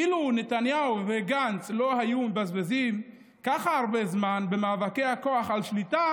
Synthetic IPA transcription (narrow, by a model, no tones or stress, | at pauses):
ilunet̪anjauveɡant͡slo̞hajumebazbazim | kaχaaʁbezmanbe̞maːvakehakoaχalʃlit̪a